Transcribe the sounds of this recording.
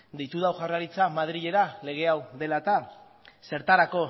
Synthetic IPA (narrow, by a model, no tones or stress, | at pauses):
d̪ejt̪uðawʝaraɾit͡samaðɾiʎe̞ɾale̞ɣ̞e̞awðe̞lat̪a | se̞ɾt̪aɾako̞